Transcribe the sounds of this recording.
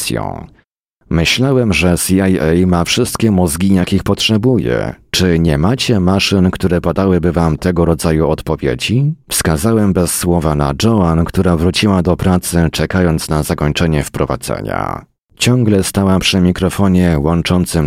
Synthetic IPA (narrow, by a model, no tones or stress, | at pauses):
sjɔ̰̃w̃ | mɘɕlawɛmʐɛsʲiajɛjmafʂɘst̪kʲɛmɔzɡʲijakʲixpɔtʂɛbujɛ̰t͡ʂɘɲɛmat͡ɕɛmaʂɘnkt̪uɾɛpad̪awɘbɘvamt̪ɛɡɔɾɔd̪zajuɔt̪pɔvʲjḛd͡ʑifskazawɛmbɛsːwɔvana̰d͡ʐɔankt̪uɾavɾut͡ɕiwad̪ɔpɾat̪sɘt͡ʂɛkajɔnt̪snazakɔɲt͡ʂɛɲɛfpɾɔva̰d̪zɛ̰ɲa̰ | t͡ɕɔŋɡlɛst̪awapʂɘmʲikɾɔfɔɲɛwɔnt͡ʂɔnt̪sɘm